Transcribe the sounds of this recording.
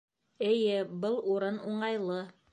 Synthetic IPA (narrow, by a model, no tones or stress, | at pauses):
ɘ̆jɘbɤlˠuɾɤnuɴɑjlˠɤ